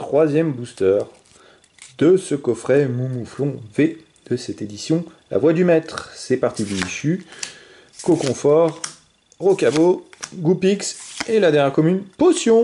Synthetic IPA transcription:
t̪χwazjɛmbust̪œʁ | d̪əsəkɔfχɛmumuflɔ̃ve | d̪̥əsɛt̪ed̪isjɔ̃la̰vwad̪ymɛt̪χsɛpaʁt̪id̪iiʃy | kokɔ̃fɔʁ | ʁokaboɡupikselad̪ɛʁjɛʁkɔmynposjɔ̃

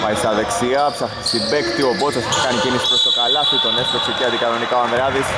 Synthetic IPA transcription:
mɐisɐðe̞ksiɐpsɐxt̪i̥sibekt̪iobosɐst̪kɐnicinisi̥pɾo̞st̪o̞kɐlɐft̪it̪o̞neslokseceɐnd̪ikɐno̞nikɐoɐnðɾɐðis

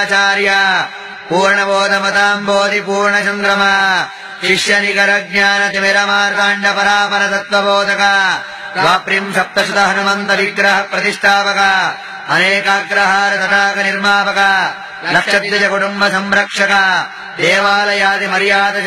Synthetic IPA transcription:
t͡ʃaːɾjɐ | puːɾɳɐboːd̪ʱɐmɐd̪aːmboːd̪ipuːɾɳɐt͡ʃɐnd̪ɾɐmɐ | ʃiʂjɐnikɐɾɐɡ̚ɲaːnɐt̪imeɾɐmaːɾt̪aːɳɖɐpɐɾaːpɐɾɐt̪ɐt̪ʋɐboːd̪ɐkɐ | ʋaːpɾimʃɐp̚t̪ɐʃut̪ɐɦɐnumɐnt̪ɐʋiɡɾɐɦɐpɾɐt̪iʂʈʰaːpɐka | ɐneːkaːɡɾɐɦaːɾɐt̪ɐʈaːkɐniɾmaːpɐka | lɐkʂɐd̪jɐd͡ʒɐkuʈumbɐsɐmɾɐkʂɐkɐ | d̪eːʋaːlɐjaːd̪imɐɾjaːd̪ɐ

